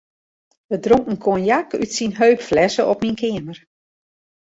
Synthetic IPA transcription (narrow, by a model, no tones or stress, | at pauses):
ʋədroŋkən̩kʰoənjakytsinɦøɥpflɛsəɔpminkʰɪəmər